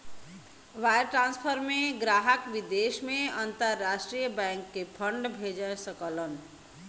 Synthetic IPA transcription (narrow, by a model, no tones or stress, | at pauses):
ʋajɾʈɾãnspʰəɾmeɡɾaɦəkʋid̪esmeənt̪əɾːasʈɾijəbɛ̃ŋkːepʰəɳɖbʱed͡ʒəsəkələn